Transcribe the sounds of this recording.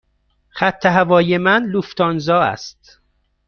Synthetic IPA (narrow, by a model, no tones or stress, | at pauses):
χæt̪ʰːeɦævɒːjemænluft̪ɒːnzɒːæ̰st̪